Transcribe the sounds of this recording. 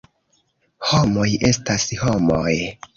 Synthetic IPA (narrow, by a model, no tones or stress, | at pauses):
ho̞mo̞jʔe̞stasho̞moj